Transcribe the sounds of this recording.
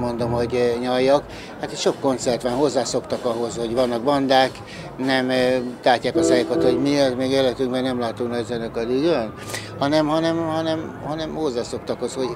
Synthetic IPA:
mo̞nd̪o̞mho̞ɟɲɒjːɒk | hat̪ʃo̞kːo̞nt̪sɛrt̪ʋanɦo̞zːaːso̞kt̪ɒkɒɦo̞zho̞ɟʋvɒnːɒɡ̚bɒnd̪aːk | nɛmt̪aːcːaːkɒsɛjikot̪ho̞ɟmiɒzmeːɡeːlɛt̪yŋkbɛnɛmlaːt̪uknɒɟzɛnøkɒd̪yɡøn | hɒnɛmhɒnɛmhɒnɛmhɒnɛmho̞zːaːso̞kt̪ɒkosho̞ɟ

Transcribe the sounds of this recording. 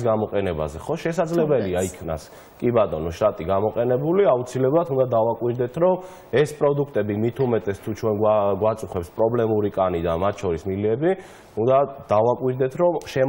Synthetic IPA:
sɡamɔqʼɛnɛba̰zɛχɔʃɛsad̪zlɛbɛliaikʰna̰s | kʼibat̪ʼɔnɔʃt̪ʼat̪ʼiɡamɔqʼɛnɛbuliaut̪sʰilɛblˠat̪ʰund̪ad̪avakʼwiɾd̪ɛt̪ʰɾɔm | ɛspʼɾɔd̪ukʰt̪ʼɛbimit̪ʰumɛt̪ʼɛst̪ʰut͡ʃʰwɛnɡaɡwat̪sʼuχwɛpspʼɾɔblɛmuɾikʼanid̪amat̪ʰt͡ʃʰɔɾismiliɛbi | und̪ad̪̥avakʼwiɾd̪ɛt̪ʰɾɔmʃɛ

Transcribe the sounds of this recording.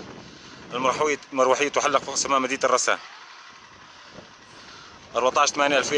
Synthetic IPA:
ʔəlɾħmʊɾˤwaħəjːat̪ʊħalːəqfisæmæʔmæd̪iːt̪rˤːɑsæ̰ | ʔɑɾˤbat̪ˤɑːʃt̪mænjʔælfi

